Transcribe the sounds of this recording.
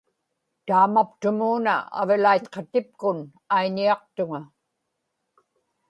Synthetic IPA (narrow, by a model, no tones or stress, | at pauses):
t̪aːmapt̪ʊmuːna̰a̰vɪlait̪qʰɑt̪ɪp̚kʊn | ajɲiɑq̚t̪ʊŋa